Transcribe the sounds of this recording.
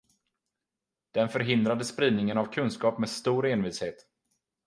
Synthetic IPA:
d̪̥ɛnfœɾɦɪnd̪ɾad̪əspɾiːd̪̚nɪŋənavkʰɵnskɑːpmeːst̪uːɾeːnviːsheːt̪

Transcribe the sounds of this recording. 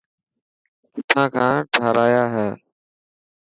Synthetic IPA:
kɪt̪ʰãːkʰãːʈʰaːɾaːjaːɦɛː

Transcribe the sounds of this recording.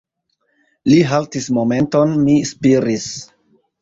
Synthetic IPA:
liɦaltismo̞me̞nto̞nmispiɾis

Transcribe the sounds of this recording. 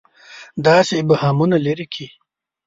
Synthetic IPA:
d̪ɑːsebɐhamunaleɾikʰi

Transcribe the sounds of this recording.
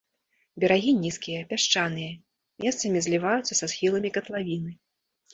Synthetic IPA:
bʲɛɾaɣʲinʲiskʲijɐpʲaʂt͡ʂanɨjɐ | mʲɛst̪sɐmʲizʲlʲivajut̪sːɐsasxʲilˠɐmʲikɐt̪lˠavʲinɨ

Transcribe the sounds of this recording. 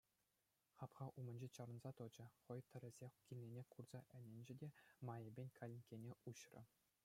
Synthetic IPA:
χɑpχɑʔumɤ̆nʲd͡ʑet͡ɕɑɾɤ̆nzɑt̪ɤ̆d͡ʑɤ̆χɤ̆jt̪ʲɘ̆ɾʲɘ̆zʲexkʲilʲnʲenʲekurz̥ɑʔɘ̆nʲĕnʲd͡ʑɘ̆dʲemɑjebʲenʲkʰɑlʲinʲkʲenʲeʔuɕrɤ̰̆

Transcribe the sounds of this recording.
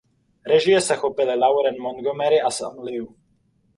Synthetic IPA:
ɾɛʒɪjɛsɛxopɪlɪlawɾɛnmonɡomɛɾɪasa̰mlɪu

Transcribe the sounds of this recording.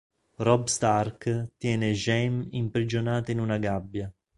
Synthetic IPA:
rɔbst̪arkt̪jɛːneʒɛmimpɾid͡ʒonaːt̪einunaɡabːja

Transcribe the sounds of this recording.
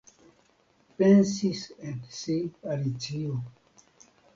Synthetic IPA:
pensisẽnsipalit͡sio

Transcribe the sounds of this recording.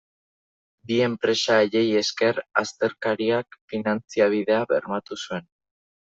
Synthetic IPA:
bie̞mpɾe̞saeʎe̞je̞ske̞rast̪e̞ɾkaɾiakfinant͡siaβ̞iðe̞aβe̞̰ɾmat̪usue̞n

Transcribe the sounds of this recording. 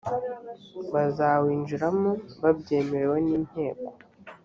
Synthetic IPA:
βazaːwiːnʒuɾamoβabɟe̞ːme̞ɾe̞weniːn̥he̞ːko

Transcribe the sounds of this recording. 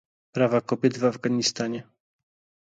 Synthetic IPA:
pɾavakɔbʲjɛd̪vavɡaɲist̪aɲɛ

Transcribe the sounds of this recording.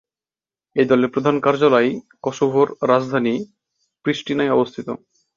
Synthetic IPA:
ed̪ɔleɾpɾod̪ʱankaɾd͡ʑolaj | kɔʃobʱoɾɾad͡ʑd̪ʱani | pɾiʃʈinajɔbost̪ʰit̪o̰

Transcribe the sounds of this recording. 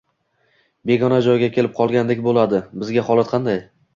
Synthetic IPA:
be̞ɡɒnad͡ʒɒjɡʲakʲʰe̞lɪp̚qʰɒlˠɡʲand̪ekʲbolad̪ɪbɪzɡʲahɒlˠat̪qʰɑnd̪aj

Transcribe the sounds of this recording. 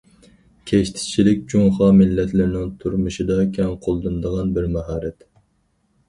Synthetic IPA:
kʲʰeʃt̪ʰɪ̥t͡ʃʰilɪk̚ʲd͡ʒuŋχɑːmɪlːɛt̪lɪɾnɪŋt̪ʰuɾmɨʃɨd̪ɑkʲʰɛŋqʰolˠd̪ɨnɨd̪əʁɑnbɪɾmɛɦɑːɾɛt̪

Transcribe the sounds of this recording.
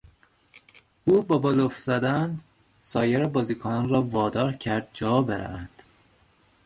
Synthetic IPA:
uːbɒːbolofz̥æd̪æn | sɒːjeɾebɒːziːkʰonɒnrɒːvɒːd̪ɒːɾcʰæɾd̪̚d͡ʒɒːbeɾæ̰vænd̪̥

